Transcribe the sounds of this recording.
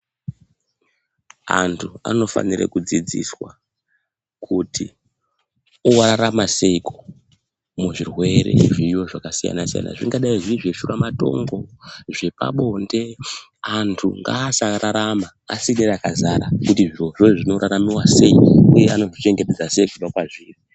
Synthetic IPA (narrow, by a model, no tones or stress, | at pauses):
a̰ntʰua̰no̞fa̰nirḛkud͡zid͡zḭswa | kʰuti | owaraɾamase̞iko | muʐirwe̞ɾe̞̰ʐijo̞ʐakasija̰nasija̰na̰ʐiŋɡaɗaiʐiʐe̞ʃuramato̞̰ŋɡo̞ʐe̞pa̰ɓo̞nde̞antʰuŋɡaːsaraɾama̰ːsineɾakazaɾakutiʐiroʐoʐino̞ɾaɾamiwase̞iujeano̞ʐit͡ʃe̞ŋɡe̞te̞d͡zase̞ikuvakwaʐiːri